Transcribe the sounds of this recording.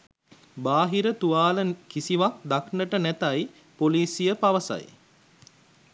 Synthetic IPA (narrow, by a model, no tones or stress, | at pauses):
baːɦiɾət̪uʋaːləkisiʋak̚d̪aknəʈənæt̪aj | poliːsijəpaʋəsa̰j̰